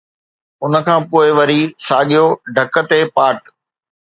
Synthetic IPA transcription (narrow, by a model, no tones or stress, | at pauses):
ʊnə̆kʰãːpoːɪʋɐɾisaːɠijoɖʱɐkə̆t̪epaːʈ